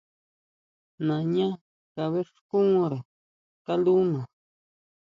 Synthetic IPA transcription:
nã˨ɲã˦ | ka˧βe˦ʂkũ˦ɾe˨ | ka˦lu˦nã˨

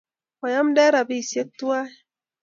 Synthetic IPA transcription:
kɔ˨ja˦mdɛ˦ɾa˨bi˦˨se˦k̚tːu˦a˦˨

